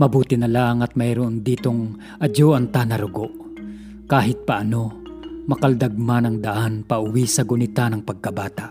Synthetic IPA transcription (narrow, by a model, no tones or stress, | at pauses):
mɐbuːt̪ɪnɐlaŋɐt̪̚mɐjɾʊʔond̪iːt̪oŋ | ʔɐd͡ʒoʔɐnt̪anɐɾʊɡoʔ | kaːɦɪt̪̚pɐʔɐno̞ | mɐkald̪ɐɡ̚manɐŋd̪aʔanpaʔʊwisɐɡʊnɪt̪anɐŋpɐɡ̚kɐbaːt̪aʔ